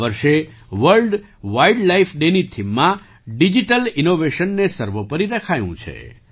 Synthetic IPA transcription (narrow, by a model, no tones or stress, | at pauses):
ʋəɾʃeʋəɾlɖ | ʋaiɖlaifʰɖenit̪ʰimːã | ɖid͡ʒiʈəlinoʋeʃənːesəɾʋəpəɾiɾəkʰajṵ̃t͡ʃʰḛ